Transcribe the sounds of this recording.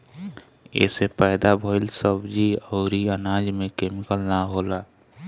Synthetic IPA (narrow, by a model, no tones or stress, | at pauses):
ḛsepəɪd̪abʱoɪlsəbd͡ʒiəʊɾiənad͡ʒmẽkemikəlnaɦola